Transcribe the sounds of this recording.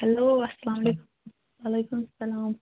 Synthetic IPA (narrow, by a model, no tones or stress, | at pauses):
hɐloːɐsːɐlaːmleːkum | ʋaːlejkumsɐlaːm